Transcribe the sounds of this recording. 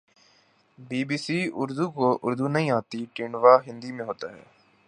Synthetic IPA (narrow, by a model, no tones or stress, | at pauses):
biːbiːsiːʊɾd̪uːkoʔʊɾd̪uːnəɦĩːaːt̪iʈɪːɳɖʋaːɦɪ̃nd̪iːmẽɦoːt̪a̰ːɦɛ̰ː